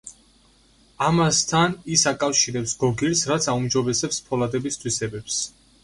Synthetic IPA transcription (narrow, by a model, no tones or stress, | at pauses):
amast̪ʰanisakʼafʃiɾɛpsɡɔɡiɾsɾat̪sʰaumd͡ʒɔbɛsɛpspʰɔlad̪ɛbist̪ʰwisɛbɛps